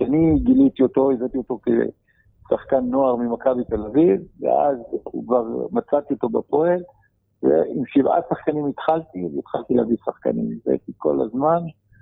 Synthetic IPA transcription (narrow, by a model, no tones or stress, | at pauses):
ʃaniɡilit̪iot̪o̞ezat̪iot̪o̞kḛ | saχkanːoaʁmimakabit̪e̞lavivːḛʔa̰z̰kvaʁmat͡sat̪iot̪o̞bapoel | vḛimʃivʔa̰saχkanimit̪χalt̪iveit̪χalt̪ileavisaχka̰nḭmizḛt̪iko̞̰la̰zman